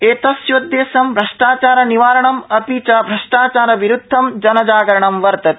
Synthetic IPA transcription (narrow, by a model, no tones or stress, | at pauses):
eːt̪ɐsjod̪ːeːsɐmbɾɐʂʈaːt͡ʃaːɾɐniʋaːɾɐɳɐmɐt̪it͡ʃɐbɾɐʂʈaːt͡ʃaːɾɐʋiɾud̪ʱːɐmd͡ʒɐnɐd͡ʒaːɡɐɾɐɳɐmʋɐɾt̪ɐt̪̚